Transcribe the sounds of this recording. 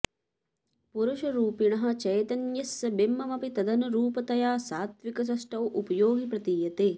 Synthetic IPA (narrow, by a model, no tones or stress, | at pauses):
puɾuʃɐɾuːpiɳɐɦɐ̆t͡ʃɐjt̪ɐnjɐsɐbemːɐmɐpit̪ɐd̪ɐnɐɾuːpɐt̪ɐjaːsaːt̪ʋikɐs̬ɐsʈɐwʔupɐjoːɡipɾɐt̪iːjɐt̪eː